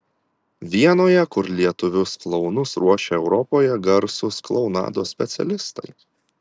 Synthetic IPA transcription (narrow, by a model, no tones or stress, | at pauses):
ʋʲiɛnoːjɛkʊɾlʲiɛt̪ʊʋʲʊsklˠɒʊnʊsɾuɔʃʲeɛʊɾɔpoːjɛɡɐɾsʊsklˠɒʊnɑ̰ːd̪oːsʲpʲɛt̪sʲɛ̰lʲɪst̪ɐ̰ɪ